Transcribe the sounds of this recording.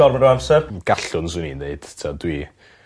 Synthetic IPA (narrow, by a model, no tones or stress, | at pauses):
ɔrmaɾɔamsɛrɡ̥aɬʊnsuninːeɨd̥tʰadwi